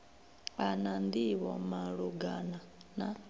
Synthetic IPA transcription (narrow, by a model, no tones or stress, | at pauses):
anand̪iβɔ̰maɺuɡanana